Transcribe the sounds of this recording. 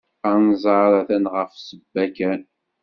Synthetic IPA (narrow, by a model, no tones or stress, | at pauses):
ɑnzˤɑɾˤɑθænʁəfsəbːækæn